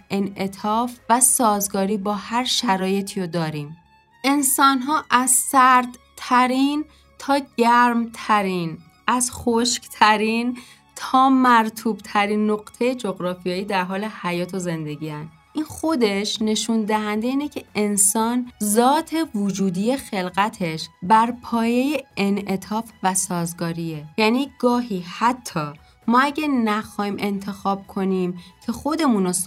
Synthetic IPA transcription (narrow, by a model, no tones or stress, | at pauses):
ʔe̞nʔe̞t̪ʰɒːfvæsɒːzɡɒːɾiːbɒːhæɾʃæɾɒːje̞t̪ʰiːɾod̪ɒːɾiːm | ʔe̞nsɒːnɦɒːʔæzsæɾd̪̥t̪ʰæɾiːn | t̪ʰɒːɟæɾmt̪ʰæɾiːn | ʔæz̥xoʃkt̪ʰæɾin | t̪ʰɒːmæɾt̪ʰuːb̥t̪ʰæɾinːoɣt̪ʰe̞jed͡ʒo̞ɣɾɒːfijɒːjiːd̪æɾɦɒːle̞hæjɒːt̪ʰo̞ze̞nd̪e̞ɟiːænd̪ | ʔinxo̞d̪e̞ʃne̞ʃuːnd̪æɦænd̪e̞iːnecʰe̞ensɒːnzɒːt̪ʰe̞vod͡ʒuːd̪ije̞xe̞lɣæt̪ʰe̞ʃbæɾpʰɒːje̞jeenʔe̞t̪ʰɒːfvæsɒːzɡɒːɾiejæniːɡɒːɦiːhæt̪ʰːɒː | mɒːæɟænæxɒːhiːmʔe̞nt̪ʰe̞xɒːb̥̚kʰo̞nimcʰe̞xo̞d̪e̞muno